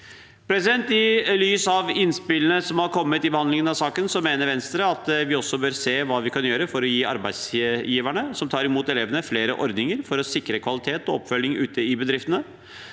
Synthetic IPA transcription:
pʰɾɛsɪd̪ɛnt̪ɪlyːsɑʋɪnspɪlːənəsɔmhɑɾkʰɔmːət̪ɪbəhɑnd̪lɪŋənɑʋsɑːkənsɔmeːnəɾʋɛnst̪ɾəɑt̪ʋɪɔsːɔbøːɾseːʋɑːʋɪkʰɑnjøːɾəfɔɾɔjiːɑ̰ɾbæɪd̪sjiːʋæɳəsɔmt̪ʰɑːɾɪmuːt̪ɛleːʋənəfleːɾəʔɔɾd̪nɪŋəɾfɔɾɔsɪkːɾəkʰʋɑlɪt̪ʰeːt̪ɔɔpːfœlːɪŋʔʉ̰ːt̪əɪbəd̪ɾɪft̪ənə

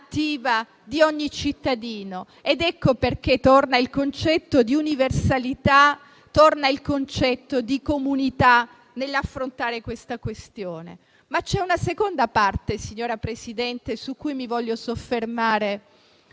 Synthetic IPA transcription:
t̪ːiːva | d̪iɔɲːit͡ʃit̪ːad̪iːno | ed̪ɛkːoperk̟et̪ornailkont͡ʃɛt̪ːod̪iuniversalit̪a | t̪ornailkont͡ʃɛt̪ːod̪ikomunit̪a | nelːafːɾont̪aːɾekwest̪akwest̪joːnḛ | mat͡ʃɛunasekond̪apart̪esiɲːoːɾapɾesid̪ɛnt̪esukːujmivɔʎːosofːermaːɾe

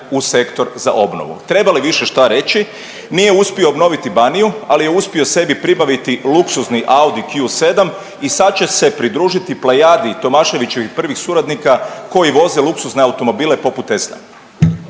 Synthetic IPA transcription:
use̞kt̪o̞ɾza̰ʔo̞bno̰ʋṵt̪ɾe̞baliʋiʃe̞ʃt̪aɾe̞t͡ɕi | nije̞uspio̞obno̞ʋit̪ibanijualijeuspio̞se̞bipɾibaʋit̪iluksuzniʔaud̪ikjuse̞d̪am | isad̪̚t͡ɕe̞se̞pɾid̪ɾuːʒit̪iplajad̪it̪o̞maːʃe̞ʋit͡ɕe̞ʋixpr̩ʋixsuɾad̪nikako̞jiʋo̞zeluksuszneawt̪o̞mo̞biːle̞po̞put̪esna̰

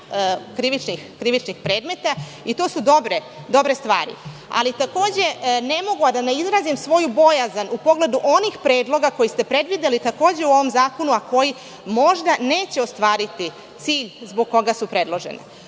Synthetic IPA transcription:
kɾiʋit͡ʃnixkɾiʋit͡ʃnixpɾe̞ːd̪me̞t̪a | it̪o̞ːsud̪o̞bɾe | d̪o̞bɾe̞st̪ʋa̰ːɾḭ | a̰lit̪ako̞ːd͡ʑe̞ne̞mo̞ɡuad̪aneizɾazimsʋo̞jubo̞jazanupo̞ɡle̞d̪uʔo̞nixpɾe̞ːd̪lo̞ɡako̞jist̪e̞pɾe̞d̪ʋid̪elit̪ako̞ːd͡ʑe̞uo̞ʋo̞mzaːko̞nuako̞ji | mo̞ʒd̪ane̞ːt͡ɕe̞o̞st̪ʋaːɾit̪i | t̪siːʎzboɡ̚ko̞ɡasupɾe̞d̪lˠo̞ʒḛnḛ

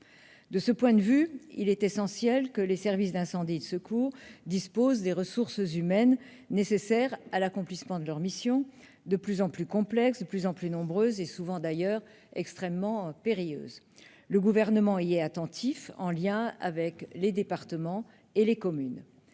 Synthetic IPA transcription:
d̪əsəpwɛ̃d̪əvyḭlɛt̪esɑ̃sjɛlkəlesɛʁvisd̪ɛ̃sɑ̃d̪id̪əsəkuːʁd̪ispozd̪eʁəsuʁszymɛnː | esesɛʁalakɔ̃plismɑ̃d̪əlœʁmisjɔ̃ | d̪əplyzɑ̃plykɔ̃plɛksd̪əplyzɑ̃plynɔ̃bʁøːzesuvɑ̃d̪ajœʁ | ɛkst̪χɛmːɑ̃peʁijø̰ːz | ləɡuvɛʁnəmɑ̃iɛat̪ɑ̃t̪ʰifɑ̰̃ljɛ̃a̰vɛkled̪epaʁt̪əmɑ̃ | elekɔmyn

